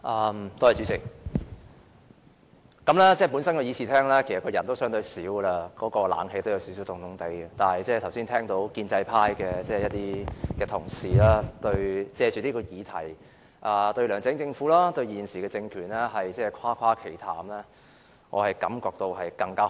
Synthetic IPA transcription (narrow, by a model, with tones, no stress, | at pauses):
ʔɐː˧mt̪ɔ˥˨jt͡ʃy˨˧˥t͡sɪ˨˩k̚ | kɐ˨˥mlɛː˥t͡sɛː˥˩pu˨˥nsɐ˥nkɔː˨˧jiː˨˧t͡sʰi˨t̪ʰɛː˥ŋlɛː˥kʰe˨˩jsɐ˨t̚kɔː˧jɐ˨˩nt̪o˥wsœː˨˥ŋt̪ɵ˧ɥsiː˨˥wlaː˧kɔː˨˥kɔː˧la̰ː˨˥nɦe˧jt̪o˥wjɐ˨˧wsi˨˥s̬i˨˥wt̪ʊ˨ŋt̪ʰʊ˨˥ŋt̪e˨˥jɛ˨t̪aː˨nhɐ˨˩jt͡sɛː˥˩t̪ʰɐ˨˩wsi˥nt̪ʰɛː˥ŋt̪o˨˥wkiː˧nt͡sɐ˧jpʰaː˥jkɛː˧t͡sɛː˥˩jɐ˥t̚t̪iː˥kɛː˧t̪ʰʊ˨˩ŋsiː˨˩laː˥t̪ɵ˧ɥt͡sɛː˧t͡ʃy˨t̪iː˥kɔː˧jiː˨˧t̪ʰɐ̰˨˩j | ʔaː˧t̪ɵ˧ɥlœː˨˩ŋt͡sɪ˨˥ŋt͡sɪ˧ŋfuː˨˥laː˥t̪ɵ˧ɥjiː˨˩nsiː˨˩kɛː˧t͡sɪ˧ŋkʰyː˨˩nlɛː˥ɦɐ˨jt͡sɛː˥˩kʷʰaː˥kʰʷaː˥kʰe˨˩jt̪ʰaː˨˥mlɛː˥ | ŋʔɔ̰ː˨˧hɐ˨jkɐ˨˥mkɔː˧k̚t̪o˧wɦɐ˨jkɐ˧ŋkaː˥